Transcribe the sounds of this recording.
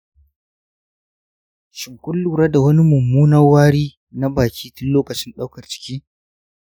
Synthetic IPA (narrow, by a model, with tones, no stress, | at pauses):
ʃɪ˨ŋkʷʊ˦lːuː˨ɾɐ˦da˨wɐ˦ni˦mʊ˨mːuː˦nɐ˦rwaː˦ɽiː˦ | na˦baː˨kʲiː˦tʊ˦lloː˦kɐ˨t͡ʃɪ˦nɗa˦wkɐ˨rt͡ʃɪ̥˨kʲiː˦